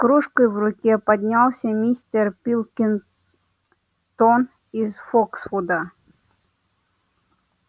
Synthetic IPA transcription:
kɾuʂkəjvrʊkʲɛpɐd̪ʲnʲalˠsʲɐmʲist̪ʲɛrpʲilˠkʲɪn | t̪on | izfoksfud̪ə

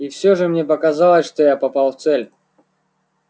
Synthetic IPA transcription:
ifsʲoʐɨmnʲepɐkɐzalˠəsʲʂt̪ojapɐpalˠft̪sɛlʲ

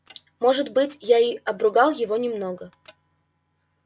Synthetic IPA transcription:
mo̞ʐɨt̪bɨtʲjaiɐbɾʊɡɑlˠjɪvo̞nʲɪmnoɡə

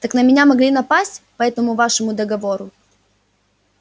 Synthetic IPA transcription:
t̪əknəmʲɪnʲamɐɡlʲinɐpasʲtʲpɐɛt̪əmʊvaʂəmʊd̪əɡɐvoɾʊ

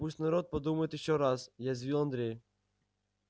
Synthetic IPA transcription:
usʲt̪nɐɾɔt̪̚pɐd̪umɐjɪt̪ɪɕɔɾasjazʲʋʲilˠɐnd̪ɾʲej

